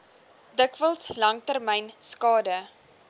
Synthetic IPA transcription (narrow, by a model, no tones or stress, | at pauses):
dəkvəlˠslɐŋtərmɛjnskɑːdə